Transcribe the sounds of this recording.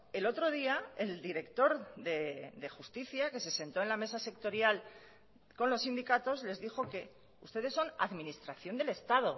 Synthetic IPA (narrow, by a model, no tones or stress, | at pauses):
e̞lo̞t̪ɾo̞ð̞iaeld̪iɾe̞kt̪o̞ɾðeðe̞xust̪iθjake̞se̞se̞nt̪o̞e̞nlame̞sase̞k̚t̪o̞ɾjal | ko̞nlo̞sːind̪ikat̪o̞zle̞zðixo̞ke̞ | ust̪e̞ð̞e̞sːo̞na̰ðminist̪ɾaθjo̞nd̪e̞lest̪aðo̞